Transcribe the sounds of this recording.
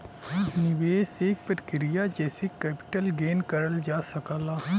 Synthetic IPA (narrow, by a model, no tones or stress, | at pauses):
nɪʋeːseːk̚pət̪kɪɾijad͡ʒɛːsekɛːpɪ̥ʈəlɡeːnkəɾəld͡ʒaːsɐkaːlaɦɛ̃